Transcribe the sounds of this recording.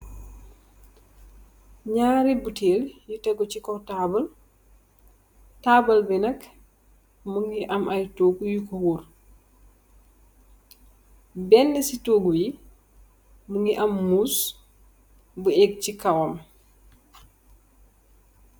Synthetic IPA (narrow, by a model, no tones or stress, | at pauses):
ɲaːɾibutʰeːljutɛɡɔt͡ʃikɔtaːbɐl | taːbɐlbɛnɐk | muŋɡiʔɐmʔajtoːɡujukɔwuɾ | bɛnːɛsitoːɡuji | muŋɡiʔɐmːuːs | buɛɡ̚cikɐwam